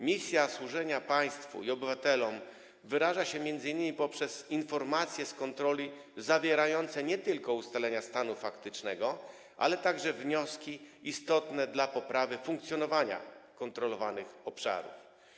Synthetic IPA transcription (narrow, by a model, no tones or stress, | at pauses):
mʲisʲjaswuʐɛɲapaj̃st̪fṵiɔbɘvat̪ɛlɔm | vɘɾaʐaɕɛmʲjɛnd̪zɘɲːimʲipɔpʂɛzinfɔɾmat̪sʲjɛskɔnt̪ɾɔlʲi | zavʲjɛɾajɔnt̪sɛɲɛt̪ɘlkɔust̪alɛɲast̪anufakt̪ɘt͡ʂnɛɡɔ | ʔa̰lɛt̪aɡʐɛvɲɔskʲiist̪ɔt̪nɛd̪lapɔpɾavɘfuŋk̚t̪sʲjɔnɔvaɲa̰kɔnt̪ɾɔlɔvanɘxɔpʂa̰ɾṵf